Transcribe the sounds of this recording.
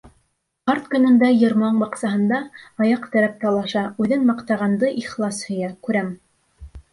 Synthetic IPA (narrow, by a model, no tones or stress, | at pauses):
qɑɾt̪kɵ̆nɤ̆nd̪æjɤ̆ɾmɑɴbɑqsɑɦɤ̆nd̪ɑɑjɑqt̪æɾæp̚t̪ɑlˠɑʃɑʉðɘnmɑqt̪ɑʁɑnd̪ɤʔiχlˠɑshɵ̆jækʉɾæm